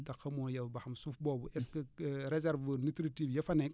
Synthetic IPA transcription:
tɐxɐmɔːjɐwbɐxɐmsufbɔːbuʔɛskɐɾɛzɛɾvənitɾitifjɐfɐnɛk̚

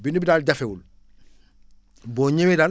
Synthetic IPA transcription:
binubidaːlɟafewul | boːɲemedal

